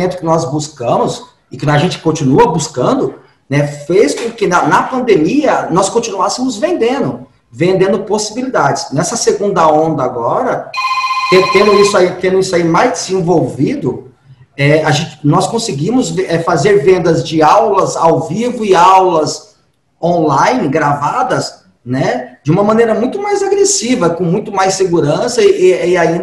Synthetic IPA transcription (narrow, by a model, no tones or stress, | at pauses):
ẽnt̪ʊ̥kɪnɔzbuskɐ̃mʊs | ɪkɐʒẽnt͡ʃɪ̥kõt͡ʃinuɐbuskɐ̃nd̪ʊ | nɛfejskõkɪnɐnɐpɐ̃nd̪emiɐnɔskõt͡ʃinuasemʊzvẽnd̪ẽnd̪ʊ | vẽnd̪ẽnd̪ʊposibilid̪ad͡ʒɪsnɛsɐseɡũnd̪ɐõnd̪ɐaɡɔɾɐt̪ẽt̪ẽnd̪ʊisʊait̪ẽnd̪ʊisʊaimajzd͡ʒɪzẽvowvid̪ʊ | ɛaʒẽnt͡ʃɪ̥nɔskõsɪɡĩmʊzɛfazeɾvẽnd̪ɐzd͡ʒɪawlɐzawvivʊɪawlɐz | õlajnɪɡɾavad̪ɐs | nɛd͡ʒɪũmɐmɐ̃nejɾɐmũj̃t̪ʊmajzaɡɾesivɐkõmũj̃t̪ʊmajsːeɡuɾɐ̃sɐʔɪaĩd